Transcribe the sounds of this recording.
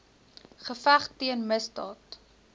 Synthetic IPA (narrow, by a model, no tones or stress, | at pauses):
χəfæχtiənməstɑ̰ːt